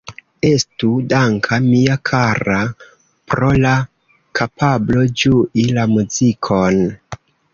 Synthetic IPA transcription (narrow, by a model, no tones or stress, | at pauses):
e̞studaŋkʰamiakʰaɾa | pɾo̞la | kʰapʰablo̞d͡ʒuʔilamuzikʰo̞n